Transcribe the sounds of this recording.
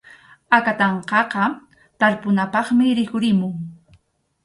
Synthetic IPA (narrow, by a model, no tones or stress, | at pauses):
akat̪ɑɴqɑqɑ | t̪aɾpʊnapɑχmɪɾɪkʊɾɪmʊŋ